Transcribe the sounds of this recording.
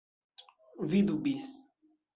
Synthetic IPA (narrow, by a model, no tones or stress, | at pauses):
vid̪ubis